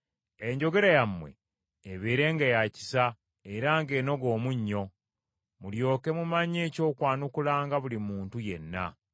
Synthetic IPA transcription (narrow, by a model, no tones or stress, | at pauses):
e̞ɲɟo̞ɡe̞ɾajamwe̞̰ː | βeːɾe̞ŋɡajaci̥sa | eɾaːŋɡe̞ːno̞ɡo̞ːmuɲːo̞ | muljo̞ːke̞mumaɲe̞ːco̞ːkwaːnukulaːŋɡaβulimuːntuje̞̰nːa̰